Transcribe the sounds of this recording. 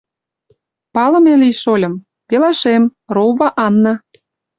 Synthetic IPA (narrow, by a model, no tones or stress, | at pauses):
pɑlɤ̆meliʃolʲɤ̆m | pelɑʃemroβɑʔɑnːɑ̆